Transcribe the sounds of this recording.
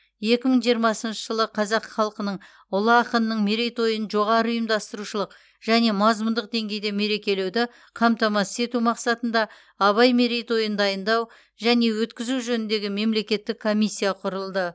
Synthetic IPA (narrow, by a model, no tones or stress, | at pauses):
je̞kʲɪməɴʒijəɾmɑsənʃəʒəlˠəqʰɑzɑqχɑlˠqənəɴ | ʊlˠəɑqənənːəɴmeɾejt̪o̞jənʒo̞ʁɑɾəʊjəmd̪ɑst̪əɾuʃəlˠəq | ʒ̥æne̞mɑzmʊnd̪əq̚d̪e̞ŋɡʲe̞jd̪e̞me̞ɾe̞kʲe̞le̞wd̪ɪ | qʰɑmt̪ɑmɑsə̥e̞t̪umɑqsɑt̪ənd̪ɑ | ɑβɑjme̞ɾejt̪o̞jənd̪ɑjənd̪ɑw | ʒæne̞wɵt̪kʲɪzuʒɵnɪnd̪e̞ɡʲɪme̞mle̞kʲe̞t̪ːɪkʰːo̞mʲisʲːijɑqʰʊɾəlˠd̪ə